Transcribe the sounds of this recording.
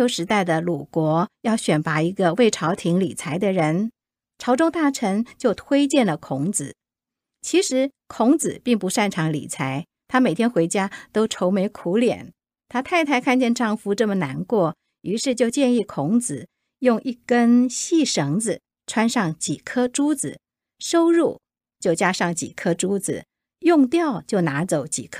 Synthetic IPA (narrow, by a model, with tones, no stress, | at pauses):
o˧˥ʊʂɻ̩˧˥t̪a˥˩ɪd̪ə˩lu˨˩kwɔ˧˥jɑ˥˩ʊɕɥɛ˨˩npa˧˥i˧˥ɡə˧we˥˩ɪʈ͡ʂʰɑ˧˥ʊt̪ʰi˧˥ŋlḭ˨˩t͡sʰa˧˥ɪd̪ə˧ɻə˧˥n | ʈ͡ʂʰɑ˧˥ʊʈ͡ʂʊ˥ŋt̪a˥˩ʈ͡ʂʰə˧˥ŋt͡ɕjo˥˩ʊt̪ʰwe˥ɪt͡ɕjɛ˥˩nlə˩kʰʊ˧˥ŋd͡zɹ̩˨˩˦ | t͡ɕʰi˧˥ʂɻ̩˧˥ | kʰʊ˧˥ŋt͡sɹ̩˨˩pi˥˩ŋpu˧˥ʂa˥˩nʈ͡ʂʰɑ˧˥ŋlḭ˨˩t͡sʰa˧˥ɪ | t̪ʰa˥me˨˩ɪt̪ʰjɛ˥nxwe˧˥ɪt͡ɕja˥t̪o˥ʊʈ͡ʂʰo˧˥ʊme˧˥ɪkʰu˧˥ljɛ̰˨˩˦n | t̪ʰa˥t̪ʰa˥˧ɪt̪ʰa˥˧ɪkʰa˥˧nt͡ɕjɛ˥˧nʈ͡ʂɑ˥˩ŋfu˥ʈ͡ʂɤ˥˩mə˨˩na˧˥nkwɔ˥˩ | y˧˥ʂɻ̩˥˧t͡ɕjo˥˧ʊt͡ɕjɛ˥˧ni˥˩kʰʊ˧˥ŋt͡sɹ̩˨˩˦ | jʊ˥˧ŋʔi˥˩kə˥nɕi˥˩ʂɤ˧˥ŋd͡zɹ̩˧ | ʈ͡ʂʰwa˥nʂɑ˥˩ŋt͡ɕi˨˩kʰɤ˥ʈ͡ʂu˥d͡zɹ̩˨˩ | ʂo˥ʊɻu˥˩ | t͡ɕjo˥˩ʊt͡ɕja˥ʂɑ˥˩ŋt͡ɕḭ˨˩kʰɤ˥ʈ͡ʂu˥d͡zɹ̩˨˩ | jʊ˥˧ŋt̪jɑ˥˧ʊt͡ɕjo˥˩ʊna˧˥t͡so˨˧˥ʊt͡ɕḭ˨˩kʰ